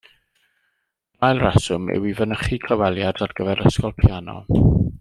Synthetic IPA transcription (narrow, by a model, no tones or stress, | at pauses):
ajlˠrɛsʊmɛ̰wivənəχikʰlˠawɛlˠjadarɡəvɛɾəskɔlˠpʰjanɔ̰